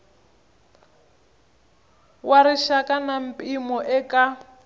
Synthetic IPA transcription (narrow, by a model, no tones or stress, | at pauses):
waɾiʃakanam̩pʼimɔʔɛka